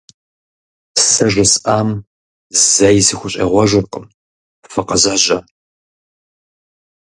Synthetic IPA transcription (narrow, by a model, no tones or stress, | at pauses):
sɐʒʷɪsaːm | zzɐjzɨxʷʊɕʼɐ̰ʁʷɔʒʷʊrqʼə̰m | fɨqɐzaʒɐ